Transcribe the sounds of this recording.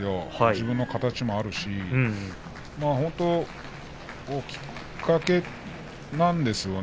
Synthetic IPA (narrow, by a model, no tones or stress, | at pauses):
jo̞haʑibɯ̃nːokat̪at͡ɕimo̞aɾɯ̟ɕi | maːhõ̞nt̪o̞ | okʲi̥ | kʰːake̞ | nãnd̪e̞sɨjo̞n